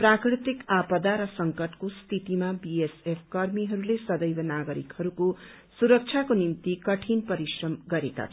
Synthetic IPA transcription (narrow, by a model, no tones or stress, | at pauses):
prakrit̪ikapʌd̪aɾʌsʌŋkʌʈkost̪ʰit̪imabiesepʰkʌrmiɦʌɾulesʌd̪ʌjbʌnaɡʌɾḭkhʌɾuko | suɾʌk̚t͡ʃʰakonimt̪ikʌʈʰinpʌɾisrʌmɡʌɾeka̰t͡sʰ